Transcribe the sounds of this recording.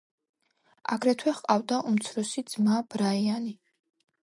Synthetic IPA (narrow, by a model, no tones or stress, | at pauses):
a̰ɡɾɛt̪ʰwɛχqʼavd̪aʔumt̪sʰɾɔsid̪z̥mab̥ɾaiani